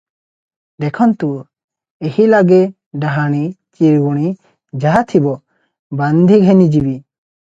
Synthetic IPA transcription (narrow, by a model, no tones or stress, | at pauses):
d̪ɛkʰɔnt̪u | ehilaɡɛ | ɖaɦaɽ̃it͡ʃiɾɡuɽ̃i | d͡ʒaɦat̪ʰibɔ | band̪ʱiɡʱɛnid͡ʒibi